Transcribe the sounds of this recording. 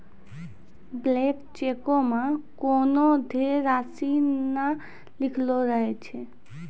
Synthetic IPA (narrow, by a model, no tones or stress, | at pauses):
blekt͡ʃekomãkonod̪ʱeɾasina | lɪkʰloɾəɦet͡ʃʰe